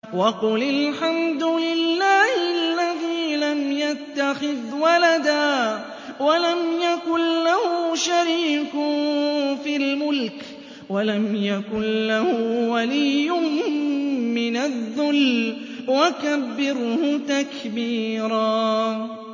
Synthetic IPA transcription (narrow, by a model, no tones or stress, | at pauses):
wɑqʊlɪlħamd̪ʊlɪlːaːhɪlːaðiːlamjat̪ːaxɪðwalad̪aː | walamjakʊnlahʊʃaɾiːk | filmʊlk | walamjakʊnlahʊwaliːʊ | mɪnaðːʊl | wakabːɪɾhʊt̪akbiːɾaː